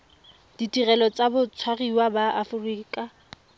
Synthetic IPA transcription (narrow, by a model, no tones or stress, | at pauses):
d̥itirɛlɔt͡sabʊt͡sʰwariwabaʔafʊriːkʼa